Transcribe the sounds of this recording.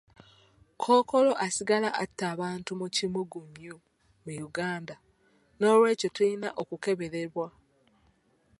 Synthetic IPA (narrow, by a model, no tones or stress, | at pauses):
kʰoːko̞lo̞ʔasiɡalaʔatːaːβaːntumucimuɡumjo | mujuɡaːnda | no̞ːlwe̞ːcotuinaʔokuke̞βe̞ɾeβwa